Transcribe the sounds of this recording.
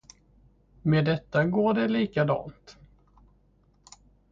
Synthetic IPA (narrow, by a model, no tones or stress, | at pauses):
meːd̪ɛt̪ːaɡoːɖɛliːkad̪ɑ̰ːnt̪